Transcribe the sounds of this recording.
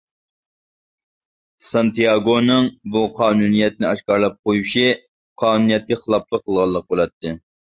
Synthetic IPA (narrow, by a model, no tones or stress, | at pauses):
sɑnt̪ijɑɡonɨŋbuqʰɑːnunijɛt̪̚nɪɑʃkɑɾlˠɑp̚qojuʃi | qʰɑːnunijɛt̪̚kʲɛχəlˠɑp̚lˠəqʰːəlˠʁɑlˠːəq̚bolˠɑt̪ʰːɨ